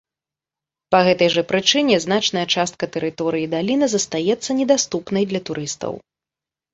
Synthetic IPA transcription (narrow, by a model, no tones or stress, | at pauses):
pɐɣɛt̪ɐjʐɐpɾɨt͡ʂɨnʲɛznat͡ʂnɐjɐt͡ʂast̪̚kɐt̪ɛɾɨt̪ɔɾɨjid̪alʲinɨzɐst̪ajɛt̪sːɐnʲɛd̪ast̪upnɐjd̪lʲɐt̪uɾɨst̪ɐ̰w